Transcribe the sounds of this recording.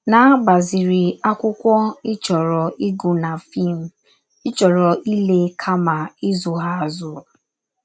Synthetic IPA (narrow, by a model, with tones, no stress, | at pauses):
na˨˦ɡ͡ba˨zɪ˨ɾi˨a˦kʷʊ˦kʷɔ˦ɪ˦t͡ʃɔ˨ɾɔ˨i˦ɡu˨na˨fi˦˨m̩˨ | ɪ˦t͡ʃɔ˨ɾɔ˨ʔi˦le˦kʰa˦ma˨ɪ˦zʊ˨ɦa˦a˨zʊ˦